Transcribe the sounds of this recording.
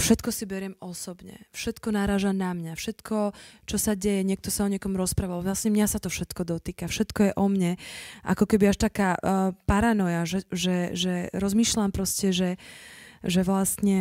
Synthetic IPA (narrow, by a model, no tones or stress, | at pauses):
fʃɛt̪kɔsibɛɾɪɛmɔsɔbɲɛ̰fʃɛt̪kɔnaɾaːʒanamɲafʃɛt̪kʰɔt͡ʃɔsaɟɛjɛɲɪɛkt̪ɔsaɔɲɪɛkɔmɾɔspɾaːʋalʋlasɲɛmɲasat̪ɔfʃɛt̪kɔd̪ɔt̪iːkafʃɛt̪kɔjɛʔɔmɲɛʔa̰kɔkɛbiaʃt̪akaːpaɾanɔjaʒɛʒɛʒɛɾɔzmiːʃʎampɾɔscɛʒɛ | ʒɛʋlast̪ɲɛ